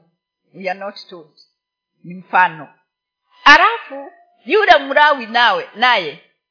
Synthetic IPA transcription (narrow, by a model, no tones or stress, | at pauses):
wianɔttɔt | nim̩faːnɔ | alafu | juɗamuɾawinawɛnajɛ